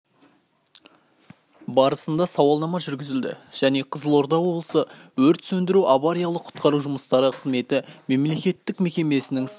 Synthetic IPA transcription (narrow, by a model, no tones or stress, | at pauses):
bɑɾəsənd̪ɑsɑwɑlˠnɑmɑʒʏɾɡʲɪzɪld̪ɪ̰ʒ̥æne̞qʰəzəlˠo̞ɾd̪ɑwo̞blˠə̥səwɵɾt̪sɵnd̪ɪɾuʔɑβaɾijɑlˠəqʰʊ̥t̪qɑɾuʒʊməst̪ɑɾəqʰəzme̞t̪ɪme̞mle̞kʲe̞t̪ːɪkme̞kʲe̞me̞sɪnɪŋ